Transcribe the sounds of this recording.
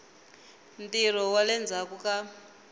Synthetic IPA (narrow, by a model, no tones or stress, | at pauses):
nt̪ir̤ɔwalɛnd͡zʱakuka